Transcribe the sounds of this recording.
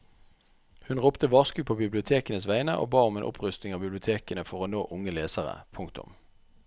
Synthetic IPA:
hʉnʁʊpt̪əʋɑːʁskʉːpʰoːbɪblɪʊt̪ʰeːkənəsʋæɪnəʔo̰ːbɑːʁʊmeːnʔʊ̰pʰʁʉst̪nɪŋɑːbɪblɪʊt̪ʰeːkənəfɔʁoːnoːʔʊŋəleːsəʁə̰pʰʊŋkt̪ʊ̰m

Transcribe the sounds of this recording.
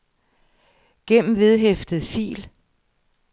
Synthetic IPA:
ɡ̥en̰m̩ʋe̝ð̞ˠɦefd̥əð̩ˠfḭːl

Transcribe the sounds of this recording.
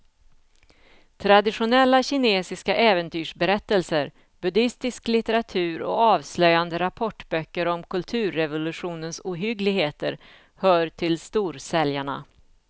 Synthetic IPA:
t̪ʰɾad̪ɪɧʊnɛlːaɕɪneːsɪskaʔɛːvənt̪ʰyːʂbɛɾɛt̪ːəlsəɾ | bɵd̪ɪst̪ɪsklɪt̪əɾat̪ʰʉ̟ːɾɔ̰ɑːvslœjand̪əɾapʰɔʈːbœkːəɾɔmkʰɵlt̪ʰʉ̟ːɾːɛvʊlɵɧuːnənsuːɦʏɡlɪɡheːt̪əɾ | hœːɾʈʰɪlst̪uːɾsɛljaɳa̰

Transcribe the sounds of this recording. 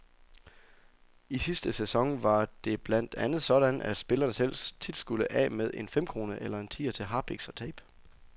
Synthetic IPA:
isisd̥əsesɒ̽ŋʋɑ̈d̥e̝b̥læn̰d̥ænð̞̩ˠsɒ̽ɾ̥ænæd̥sb̥e̝lɐnəsel̰st͡sʰid̥sɡ̥uləʔɛ̰ːmeðˠe̝nfem̰kʰʁo̝ːnəʔelɐe̝nt͡sʰḭːɐt͡sʰe̝lɦɑ̈ːb̥iɡ̥sɒ̽t͡sʰɛɪb̥

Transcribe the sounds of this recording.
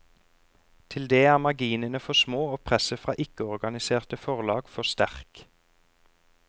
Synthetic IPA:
t̪ʰɪld̪eːæːʁmɑɡiːnənəfɔsmoːoːpʰʁɛsəfʁɑ̰ːʔɪkəɔʁɡɑnɪseːʁt̪əfɔʁlɑːɡ̥fɔst̪æʁk

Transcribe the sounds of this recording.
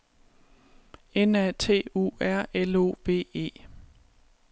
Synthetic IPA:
enæt͡sʰe̝̰ːṵːæɐ̰elo̝̰ːʋ̥e̝̰ːe̝̰ː

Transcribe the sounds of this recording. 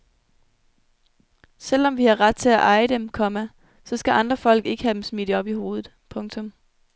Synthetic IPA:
sel̰ɒ̽mʋihɑ̈ʁɑ̈d̥̚t͡sʰe̝æʔɑ̈ɪəd̥emkʰɒ̽mæ | sɒ̽sɡ̥æʔɑ̈nd̥ʁɐfɒ̽l̰ɡ̥e̝ɡ̥əhæd̥em̩smid̥əɒ̽b̥iho̝ːð̞̩ˠpʰɔ̽ŋt͡sʰɔ̽m

